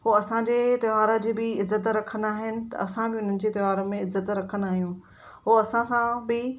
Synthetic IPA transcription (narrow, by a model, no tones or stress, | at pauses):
ɦoɐsãd͡ʑeːt̪ɐʋaːɾad͡ʑeːbɪɪzːət̪ɾɐkʰə̃nd̪aːɦɪnɪ̆t̪ɐ̰ʔɐsãbɪʊn̤ənɪ̆d͡ʑeːt̪ɐʋaːɾomẽɪzət̪ɾɐkʰə̃nd̪aːɦijũː | ɦoɐsãsãbɪ